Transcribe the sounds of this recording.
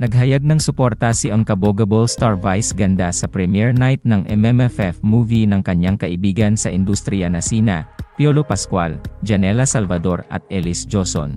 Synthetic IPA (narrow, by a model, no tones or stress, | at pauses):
nɐɡ̚ɦɐjaɡ̚nɐŋsʊpoɾt̪asiʔɐŋkɐboɡɐbolst̪aɹvajsɡɐnd̪asɐpɾɛmjɛɹnajt̪̚nɐŋʔɛmɛmɛfɛfmuːvinɐŋkɐɲːaŋkɐʔɪbiːɡɐnsɐʔɪnd̪ust̪ɾɪjɐnɐsinɐ̰pjolopɐskwa̰ld͡ʒɐnɛlɐsɐlvɐd̪o̞ɾɐ̰t̪̚ʔɛlɪsd͡ʒoso̰n